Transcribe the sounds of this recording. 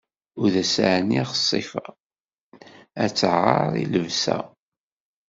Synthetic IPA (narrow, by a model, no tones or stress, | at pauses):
ʊɾðæsaʕnːiʁəsˤːifɑ | æt͡sːəʁːɑɾˤḭləvsæ̰